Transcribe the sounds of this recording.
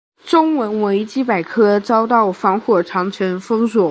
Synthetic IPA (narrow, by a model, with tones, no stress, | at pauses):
ʈ͡ʂʊ˥ŋwə˧˥nwe˧˥ɪt͡ɕi˥p̬a˨˩ɪkʰɤ˥t͡sɑ˥ʊt̪ɑ˥˩ʊfɑ˧˥ŋxwɔ˥˩ʈ͡ʂʰɑ˧˥ŋt͡ɕʰɥɛ˧˥nfɤ˥ŋswɔ˨˩˦